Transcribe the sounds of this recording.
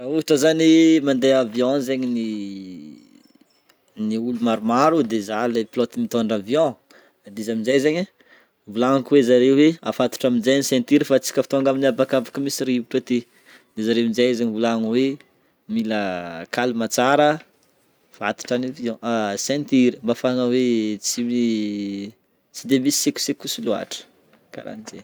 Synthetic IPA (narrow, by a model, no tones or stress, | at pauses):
uiʈ͡ʂəzanimand̪eavjɔ̃zeɲini | niulumaɾumaɾud̪ezaleplɔt̪imit̪oɳɖ͡ʐavjɔ̃ | ad̪izaminzejzeɲə | vulaŋakwezaɾewweafat̪u̥ʈ͡ʂaminzenisɛ̃nt̪iɾifat͡si̥kʲəfi̥t̪oaŋɡaminiabakavakəmisiɾiiuʈ͡ʂət̪i | d̪ezaɾeinzajzaɲivulaŋəwe | miləkalimat͡saɾə | v̥a̰t̪u̥ʈ͡ʂaniviɔ̃ʔsɛ̃nt̪iɾimbafaŋəwet͡sii | t͡sid̪emisi̥seku̥sekusilua̰ʈ͡ʂə̥ | ka̰ɾa̰nizḛ